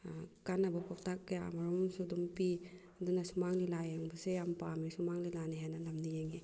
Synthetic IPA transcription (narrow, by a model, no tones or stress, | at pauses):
kanabɯpɔk̚tak̚ːejamaɾɔmsudumpi | dunasumaŋlilajeŋbɯsejampamisumaŋlilaniɦananamnijeŋi